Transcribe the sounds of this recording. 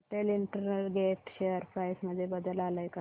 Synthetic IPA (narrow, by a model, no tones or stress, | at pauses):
ʈ̪eliɳʈəɾnəlɡeʈɕeəɾpɾajsməd̪ʱːjebəd̪əlaləjka